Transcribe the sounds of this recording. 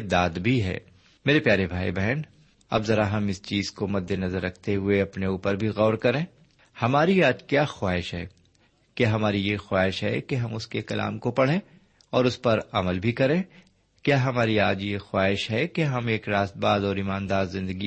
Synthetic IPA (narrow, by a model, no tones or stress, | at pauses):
d̪aːd̪bʱiɦɛ̰ː | meːɾepjaːɾebʱaːibɛɦn | ɐ̰bzɐɾaɦɐmɪst͡ʃiːzkomɐd̪ʱːenɐzəɾːɐkʰt̪eɦʊeɐpneuːpəɾbʱiɣɔːɾkɐɾẽː | hɐmaːɾiaːd͡ʒkjaːxwaːɦɪʃɦɛ̰ː | kjaːɦɐmaːɾijeːxwaːɦɪʃɦɛ̰keɦɐmʊskekɐlʔa̰ːmkopɐɽ̤ẽː | ɔːɾʊspɐɾɐməlbʱikɐɾẽː | kjaːɦɐmaːɾiaːd͡ʒjexwaːɦɪʃɦɛkeɦɐmeːkɾaːst̪̚baːd̪ɔːɾimaːnd̪aːzzɪ̃nd̪əɡi